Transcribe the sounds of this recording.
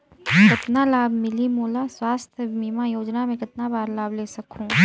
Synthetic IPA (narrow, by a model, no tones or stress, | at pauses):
kɪt̪nalaːbʱmɪlimuːlaswaːst̪ʰmiːmajoːd͡ʒnamẽkɪt̪̚nabaːɾlaːbleːsɐkʰũː